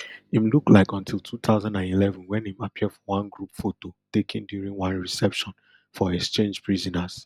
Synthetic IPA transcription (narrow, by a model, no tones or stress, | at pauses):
ĩmluklaɪkɔ̃ntʰilˠtʰut̪ʰaʊzãndãnilɛvɔ̃nwɛ̃nĩmapʰiədfɔwãnɡɹupfototekʰĩndjuɹĩŋwãnɹisɛpʃɔ̃n | fɔɛkst͡ʃẽnd͡ʒpʰɹizɔnaz̥